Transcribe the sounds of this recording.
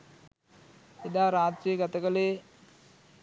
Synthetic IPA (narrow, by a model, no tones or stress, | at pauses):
ed̪aːɾaːd͡ʒɾijːɡat̪əkəleː